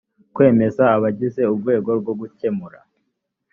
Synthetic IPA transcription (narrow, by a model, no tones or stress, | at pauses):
kwe̞ːme̞zaːβaɟize̞ub̚ɡwe̞ːɡo̞ɾɡo̞ɡuce̞muɾa̰